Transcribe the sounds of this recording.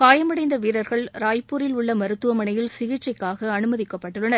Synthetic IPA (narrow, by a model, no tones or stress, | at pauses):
kaːjɐmɐɽɐɪnd̪ɐʋiːɾɐɾɣɐɭɾaːjpːuːɾɪlʊɭːɐmɐɾɯt̪ːɯʋɐmɐɳɐjɪlsɪɣɪt͡ʃːɐɪkːaːɣɐɐnɯmɐðɪkːɐpːɐʈːɯɭːɐnɐɾ